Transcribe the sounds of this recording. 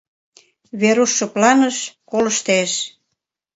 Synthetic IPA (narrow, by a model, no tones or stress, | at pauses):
βeɾuʃːŏplɑnəʃkolə̆ʃt̪eʃ